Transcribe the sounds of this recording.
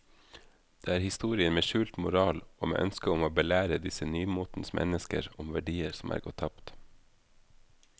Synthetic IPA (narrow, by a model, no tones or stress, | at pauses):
d̪̥eːæːɾhɪst̪uːɾɪənmeːʃʉːlt̪mʊɾɑːloːmḛːʔœnskəʊmoːbəlæːɾəd̪ɪsənyːmuːt̪n̩smʔɛ̰nəskə̰ɾʊmʋæɖiːəɾsɔmʔæ̰ːɾɡɔt̪ʰːɑpt̪